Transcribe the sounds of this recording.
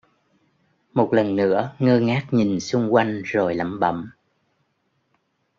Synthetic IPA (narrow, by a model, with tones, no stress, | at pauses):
mo˨˩t̚lə˨˩nːɨ̰˧˥əŋəː˧ŋaː˦˥k̚ɲi˨˩nsʊ˧ŋ͡mkwa˧jŋ̟zo˨˩jlə̰˧˩mɓə̰˧˥m